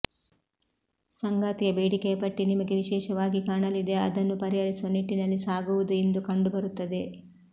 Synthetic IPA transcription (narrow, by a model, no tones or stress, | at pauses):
sɐŋɡaːt̪ijɐbeːɽikɛjɐpɐʈːinimɐɡe̞ʋiʃɛːʃɐʋaːɡikaːɳɐlid̪e̞ɐd̪ɐnːupɐɾiɦɐɾisuʋɐniʈːinɐlːisaːɡuʋud̪ue̞nd̪ukɐɳɖubɐɾut̪ːɐd̪e̞